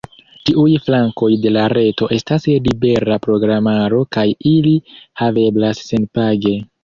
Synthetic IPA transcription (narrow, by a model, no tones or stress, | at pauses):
tiʔujflaŋko̞jde̞laɾe̞to̞ʔe̞staslibe̞ɾapɾo̞ɡɾamaɾo̞kajilihave̞blasːe̞npaɡe̞